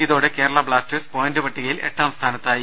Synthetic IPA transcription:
iðo̞ːɽekeːɽɐɭɐbɭaːstɨspoːjndɨpɐʈːiɣɐjile̞̰ʈːaːmst̪ʰaːnɐt̪ːaːji

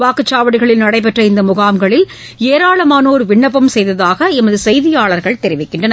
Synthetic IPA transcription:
ʋaːkɯt͡ʃːaːʋɐɽɪɣɐɭɪlnɐɽɐɪpɛʈrɐɪnd̪ɐmʊɣaːmɡɐɭɪl | eːɾaːɭɐmaːnoːɾɯʋɪɳːɐpːɐmsɛjðɐðaːɣɐɪmɐðɯsɛjðɪjaːɭɐɾɣɐɭt̪ɛɾɪʋɪkːɪɳɖrɐnɐ

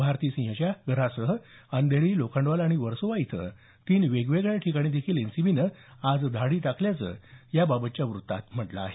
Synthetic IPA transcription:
bʱaɾt̪iːsĩɦət͡ɕjaɡʱəɾasəɦə | ənd̪eɭiːlokʰəɳɖʋalaɽ̃iʋəɾsoʋajit̪ʰə̰ | kiːnʋeɡʋeɡɭjaʈʰikaɽ̃id̪ekʰiːlensibiːnəad͡zd̪ʱaɽiːt̪akʰljat͡sə̰ːjababət̪̚t͡ɕjaʋɾut̪ːa̰t̪m̤əʈla̰ːɦe

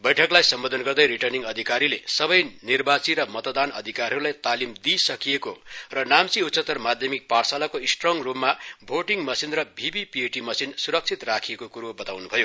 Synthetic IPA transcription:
bʌjʈʰʌklajsʌmbod̪ʱʌnɡʌrd̪ʌjɾiʈʌrniŋɡʌd̪ʱikaɾilesʌbʌjnirbat͡siɾʌmʌt̪d̪anʌ̰d̪ʱikarɦʌɾulajt̪alimd̪isʌkijekorʌnamt͡siut̪t͡sʌt̪ːʌrmad̪ʱjʌmik̚parsalakoisʈroŋrupmabʱoʈiŋmʌsinrʌbʱibipieʈimʌsinsuɾʌk̚t͡sʰit̪rakʰijekokuɾobʌt̪awnubʱʌjo

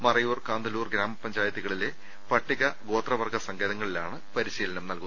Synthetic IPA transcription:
mɐrɐjuːrkaːnd̪ɐluːrɡɾaːmɐpːɐɲd͡ʑaːjɐt̪ːiɣɐɭile̞ | pɐʈːiɣɐɡo̞ːt̪rɐʋɐrɡɐsɐŋɡeːðɐŋːɐɭilaːɳɨpɐɾiɕiːlɐnɐmnɐlku

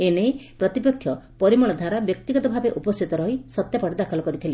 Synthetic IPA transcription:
enejpɾɔt̪ipɔkʰːjɔpɔɾimɔɭɔd̪ʱaɾabjɔk̚t̪iɡɔt̪ɔbʱabeʔupɔst̪ʰit̪ɔɾɔɦisɔt̪japɔɽɔd̪akʰɔlɔkɔɾit̪ʰile

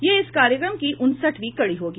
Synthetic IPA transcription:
jeɪskaːɾjəkɾəmkiʔʊnsəʈʋiːkɐɽiɦoːɡi

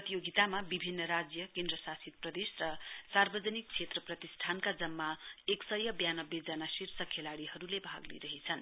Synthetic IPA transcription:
ʌt̪ijoɡit̪amabibʱinːʌɾad͡zjʌkend̪rʌsasit̪̚prʌd̪esrʌsarbʌd͡zʌnik̚t͡sʰet̪rʌprʌt̪isʈʰankad͡zʌmːaeksʌjʌbjanʌbed͡zanasirsʌkʰelaɽiɦʌɾulebʱaɡlḭɾʌɦit͡sʰʌn

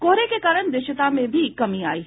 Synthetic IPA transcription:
koːɾekekaːɾəɽ̃d̪ɪʃɪt̪amẽbʱikɐmĩa̰ːiː

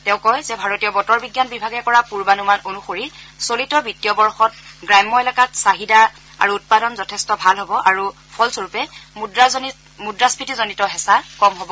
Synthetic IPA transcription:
tɛ̃ʊ̃kɔjzɛbʱaɹotijɔbɔtɔɹbiɡjanbibʱaɡɛkɔɹapuɹbanumanonuxoɹisolitɔbitiɔbɔɹxɔt̚ɡɹajmːɔɛlɛkatsaɦida | a̰ɹuːt̚padɔnzɔtʰɛstɔbʱalɦɔbɔʔaɹu | pʰɔlsoɹupɛdɹa | mudɹaspitizonitɔɦɛsakɔmɦɔbɔ

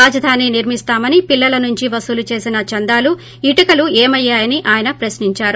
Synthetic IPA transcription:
aːd͡ʒɐd̪ʱaːniniɾmist̪aːmɐnipilːɐlɐnuɲt͡ʃiʋɐsulut͡ʃe̞ːsinɐt͡ʃɐnd̪aːlu | iʈɐkɐlueːmɐjːaːjɐniʔaːjɐnɐpɾɐsniɲt͡ʃaːɾu

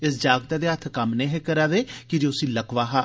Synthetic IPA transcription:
ɪsd͡ʒaːɡ̚d̪aːd̪eːət̪ʰkamnẽːɦekəɾaːd̪eːkɪd͡ʒeːʊsĩːləkʋaːɦaː

